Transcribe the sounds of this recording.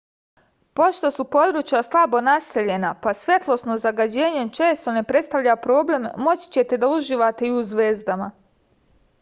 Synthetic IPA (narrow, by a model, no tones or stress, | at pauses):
po̞ʃt̪o̞supo̞d̪ɾuːt͡ʃjaslˠabo̞nase̞ʎe̞napasʋje̞t̪lˠo̞snozaɡad͡ʑe̞ːɲe̞t͡ʃe̞ːst̪o̞ne̞pɾe̞t̪st̪aʋʎapɾo̞ːble̞mːo̞t͡ɕi̥t͡ɕe̞t̪e̞d̪auʒiːʋat̪e̞iuzʋe̞ːzd̪ama